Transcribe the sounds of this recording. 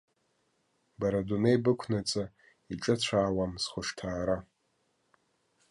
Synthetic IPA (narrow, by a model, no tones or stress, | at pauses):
baɾadunejbɨkʷʰnat͡sʼa | iʈ͡ʂʼat͡ɕʷʰaːwamsχʷʊʂtʰaːɾa